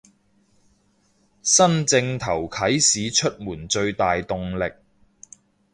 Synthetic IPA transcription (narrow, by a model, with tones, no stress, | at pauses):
sɐ˥nt͡sɪ˧ŋt̪ʰɐ˨˩wkʰɐ˨˥jsiː˨˥t͡ʃʰɵ˥t̚muː˨˩nt͡ʃɵ˧ɥt̪aː˨jt̪ʊ˨˧ŋlɪ˨k̚